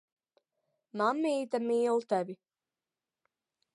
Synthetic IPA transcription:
mamːiːt̪amiːlˠt̪ɛvi

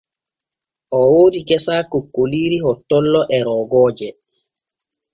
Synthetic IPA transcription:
ʔɔwoːdiɡɛsaːkokːoliːɾihɔtːɔlːɔʔɛɾɔːɡɔːd͡ʒɛ

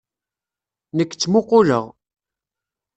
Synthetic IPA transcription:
nəkːt͡sːmʊqːoʊləʁ

